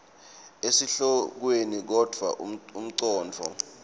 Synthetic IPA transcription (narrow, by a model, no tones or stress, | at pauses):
esiɬɔk̬wenik̬ɔd̥ʱwa̰ʔum̩ǀɔːnt͡fʰɔ̰